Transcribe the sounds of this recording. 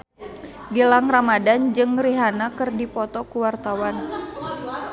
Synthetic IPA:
ɡəlaŋramadand͡ʒɨŋriɦanakɨrdipɔt̪ɔkuwart̪awan

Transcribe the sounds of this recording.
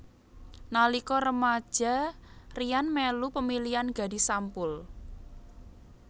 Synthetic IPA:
nalikɔɾəmad̥ʒ̥a̤rijanmɛlupəmilianɡa̤di̤sampʊl

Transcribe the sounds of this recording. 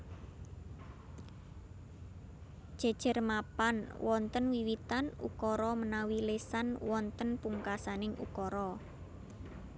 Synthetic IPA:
d̥ʒ̥a̤d̥ʒ̥ə̤rmapanwɔnt̪ənwiwit̪anṵkɔɾɔmənawilesanwɔnt̪ənpuŋkasanɪŋṵkɔɾɔ

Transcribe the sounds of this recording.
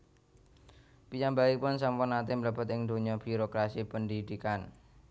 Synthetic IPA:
piɲambaipʊnsampʊnat̪ɪmələb̥ə̤t̪ɪŋd̪o̤ɲɔb̥iɾokɾasipəndid̪̥ikan

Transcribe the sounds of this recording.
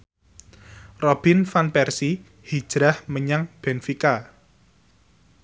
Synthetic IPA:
rɔb̥infanpɛrsi | hi̥ʒ̥ɾahməɲaŋb̥enfika

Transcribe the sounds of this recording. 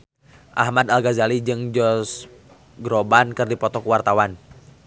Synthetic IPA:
ʔa̰hmad̪alɡazalid͡ʒɨŋd͡ʒɔs | ɡɾɔbankɨrdipɔt̪ɔkuwart̪awan

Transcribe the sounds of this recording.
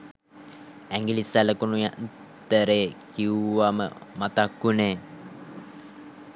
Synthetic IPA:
ɛŋɡilisæləkunujaʔn | t̪əɾekiuamə̰mat̪akune

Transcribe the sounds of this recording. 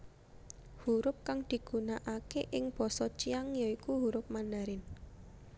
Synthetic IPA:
huɾʊp̚kaŋd̪̥i̤ɡ̥ṳnaʔakeʔɪŋb̥ɔ̤sɔt͡ʃiaŋjɔikuɦuɾʊp̚mandaɾɪn

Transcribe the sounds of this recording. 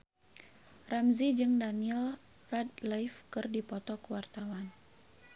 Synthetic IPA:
ramzid͡ʒɨŋdaniɛl | rad̚lajfkɨrdipɔt̪ɔkəwart̪awan

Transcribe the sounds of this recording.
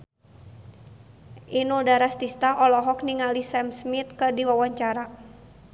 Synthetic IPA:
ʔinuldaɾast̪ist̪aʔɔlɔɦɔkniŋalisɛmsmit̪̚kɨrdiwawaɲt͡ʃaɾa

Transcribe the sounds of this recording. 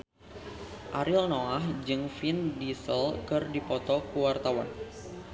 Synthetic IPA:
ʔaɾʔilnoahd͡ʒɨŋfindisəlkɨrdipɔt̪ɔkuwart̪awa̰n

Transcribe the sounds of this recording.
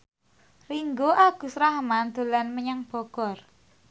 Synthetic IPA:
riŋɡoʔaɡ̥ṳsɾahmand̪̥o̤lanməɲaŋb̥ɔ̤ɡ̥ɔ̤r

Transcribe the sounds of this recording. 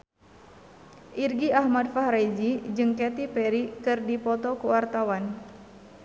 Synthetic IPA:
ʔirɡiahmadfahɾajd͡ʒid͡ʒɨŋkɛt̪ipɛɾikɨrdipɔt̪ɔkəwart̪awan

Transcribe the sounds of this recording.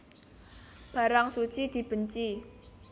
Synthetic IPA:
b̥ä̤ɾaŋsut͡ʃid̪̥i̤b̥əɲt͡ʃi

